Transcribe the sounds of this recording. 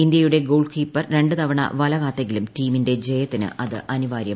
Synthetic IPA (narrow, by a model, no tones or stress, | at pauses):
ind̪jɐjuɽe̞ɡo̞ːɖɨkiːpːɐrɾe̞ɳɖɨt̪ɐʋɐɳɐ̰ʋɐlɐɣaːt̪ːeŋɡilumtiːminde̞d͡ʑejɐt̪ːinɨ̰ʔɐðɨʔɐniʋaːɾjɐ